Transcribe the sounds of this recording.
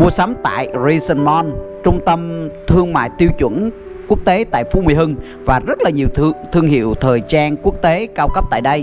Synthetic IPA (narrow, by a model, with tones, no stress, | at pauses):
mu˧əsa˨˦mt̪a̰ː˧˨jzi˧sə˧nmɔ˧n | t͡ɕʊ˧ŋ͡mt̪ə˧mt̪ʰɨ˧əŋma̰ː˧˨jt̪i˧əwt͡ɕwə̰˧˥n | ku˦˥ək̚t̪e˨˦t̪a̰ː˧˨jfu˧˥mi˨˩˨ɦɨ˧ŋ | vaː˨˩zə˦˥t̚laː˨˩ɲi˨˩əwt̪ʰɨ˧əŋɦḭ˧˨əwt̪ʰəː˨˩jt͡ɕaː˧nku˦˥ək̚t̪e˨˦kaː˧wkə˦˥p̚t̪a̰ː˧˨jɗə˧j